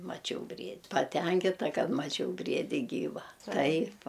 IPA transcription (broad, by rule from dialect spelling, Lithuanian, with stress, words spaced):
mɐˈt͡ʃʲɛʊ ˈbʲrʲiɛtʲ pɐˈtʲɛŋʲkʲɪtɐ ˈkɐt mɐˈt͡ʃʲɛʊ ˈbʲrʲiɛdʲɪ ˈɡʲiːʋɐ ˈtɐɪp